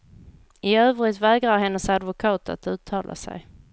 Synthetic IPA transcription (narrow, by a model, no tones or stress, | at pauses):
ɪøːvɾɪt̪vɛːɡʁaɾɦɛnːəsad̪vʊkʰɑːt̪ʰa̰t̪ʉ̟ːt̪ʰːɑːlʔa̰sæ̰j